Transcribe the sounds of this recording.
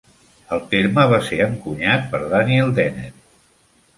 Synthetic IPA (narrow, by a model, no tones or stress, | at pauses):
əlˠt̪eɾməβ̞aseəŋkuɲat̪̚pəɾðaniɛlˠd̪ɛnet̪̚